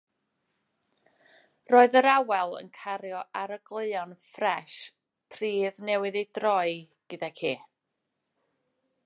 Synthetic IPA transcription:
roːɨðəɾawɛlˠə̰nkʰaɾjɔʔaɾəɡlˠɨɨɔnfrɛʃ | pʰriːðnɛwɨðejdrɔɨ | ɡ̥ɨdakʰiː

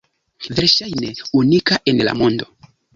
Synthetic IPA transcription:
ve̞ɾʃajneunikaʔe̞nla̰mo̞ndo̞̰

